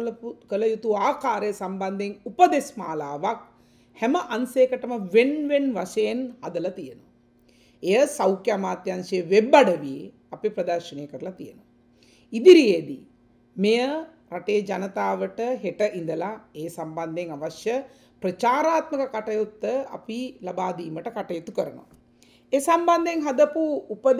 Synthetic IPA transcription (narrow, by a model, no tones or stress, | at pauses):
kəlɐjut̪uaːkaːɾejsamband̪eŋupɐd̪esmaːlaːʋak̚ | hɛmɐʔanseːkɐʈɐmɐʋenʋenʋa̰ʃɐjenhad̪ɐlɐt̪ijenu | ejɐsɐwkjamaːt̪jɐansɐjɐʋebːaɖɐʋie | apipɾɐd̪ɐɾʃɐnejːkəɾɐlɐt̪ijenu | id̪iɾijed̪i | mejə | ɾaʈejd͡ʒanɐt̪aːʋəʈəɦeʈəʔind̪əlaeːsamband̪ʱeŋaʋaʃjə | pɾɐt͡ʃaːɾaːt̪mɐkɐkaʈɐjut̪ːəɐ̰pilabaːd̪iːməʈəkaʈɐjut̪ukəɾɐnṵʋa | esamband̪eŋɦɐd̪ɐpuːpɐd̪